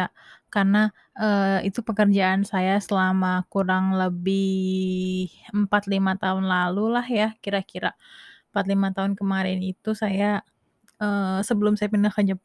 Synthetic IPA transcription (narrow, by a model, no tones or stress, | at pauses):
akarna | əit̪upəkərd͡ʒaʔːnsajasəlamakuɾaŋləbɪ | həmpat̪limat̪aɦʊnlalulahjakiɾakiɾa̰əmpat̪limat̪aɦʊnkəmaɾɪnit̪usaja | əːsəbəlʊmsajapənahəd͡ʒəp